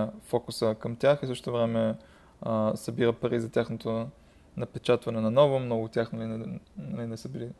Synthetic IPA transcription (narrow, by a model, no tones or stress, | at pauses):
fɔkʊsəkɐmt̪ʲjaxisəʃt̪t̪ovɾɛmɛ | sɐbiɾəpɐɾizɐt̪ʲaxnot̪o | nɐpɛt͡ʃat̪vɐnɛnɐnɔvʊmnɔɡʊt̪ʲaxnɐlinɐlinɛsəbili